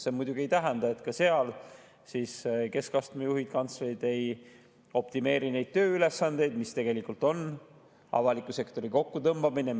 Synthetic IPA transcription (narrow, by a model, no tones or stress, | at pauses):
semujd̪̥uɡ̥iejt̪æɦɛnd̪̥ɑe̞t̪kɑse̞ɑl | siːske̞skɑst̪mejuɦid̪̥̚kɑnt̪slejd̪̥e̞j | o̞p̚t̪ime̞ːɾine̞jd̪̥̚t̪ø̞ːyle̞sːɑnd̪̥e̞jd̪̥mist̪e̞ɡ̥e̞likˑult̪o̞n | ɑ̰vɑlikːˑuse̞kt̪o̞ɾiko̞kːut̪ɤmb̥ɑmine